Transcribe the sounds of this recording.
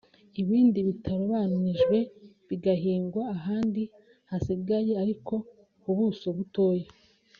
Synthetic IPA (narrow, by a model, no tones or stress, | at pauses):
iβiːndiβitʰaɾoβananiʒɡwe̞ | βiɡaɦiːŋɡwaːɦaːndi | hasiɡaje̞aɾiko̞ | kuβusoβuto̞ːje